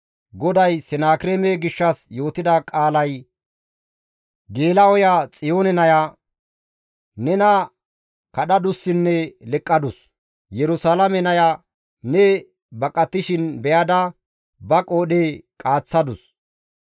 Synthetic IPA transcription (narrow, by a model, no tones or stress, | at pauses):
ɡɔd̪ɐjsɛnaːkɪɾeːmɛɡɪʃːɐsjo̞ːt̪ɪd̪ɐkʼaːlɐj | ɡe̞ːlɐɔjat͡sʼɪjo̞ːnɛnɐja | nɛnɐ | kɐɗɐd̪ʊsːɪnːɛlɛkʼːɐd̪ʊs | jɛɾʊsaːlɐmɛnɐja | nɛ | bɐkʼːɐt̪ːɪʃɪnbɛjɐd̪ɐ | bɐkʼo̞ːɗekʼaːt͡sːɐd̪ʊs